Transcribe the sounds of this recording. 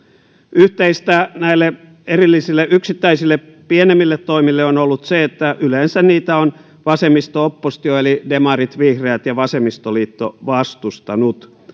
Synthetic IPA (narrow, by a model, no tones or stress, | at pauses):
yht̪eist̪ænæilːe | erilːisilːeʔyksit̪ːæisilːe | pienemːilːet̪toimilːeonolːut̪seet̪ːæʔyleːnsænniːt̪æon | ʋɑsemːist̪oopːost̪ioelidemɑrit̪ʋihreæt̪jɑʋɑsemist̪oliːt̪ːoʋɑst̪ust̪ɑnut̪